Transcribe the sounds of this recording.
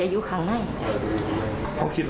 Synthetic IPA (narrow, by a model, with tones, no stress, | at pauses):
a˨˧˨juː˧˦˥kʰa˧˦ŋna˥˩ja˨˩a˨˧˩ | kʰa̰˧˥wkʰi˧t̪̚